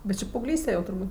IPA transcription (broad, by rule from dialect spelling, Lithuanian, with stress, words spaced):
bʲɛt ˈt͡ʃʲɪ pɐɐʊˈɡlʲiːsʲtʲɛ jɛʊ tʊrˈbuːtʲ